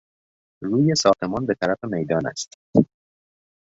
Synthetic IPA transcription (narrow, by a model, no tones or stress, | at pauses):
ruːje̞sɒːxt̪e̞mɒːnbe̞t̪ʰæɾæfe̞mejd̪ɒːnæ̰st̪